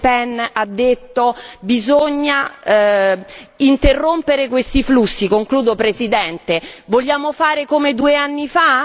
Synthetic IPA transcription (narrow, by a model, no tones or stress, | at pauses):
pɛnad̪ːet̪ːobizoɲːa | int̪erːompeɾekwest̪iflusːikoŋkluːd̪opɾezid̪ɛnt̪evoʎːaːmofaːɾekomed̪ueanːifa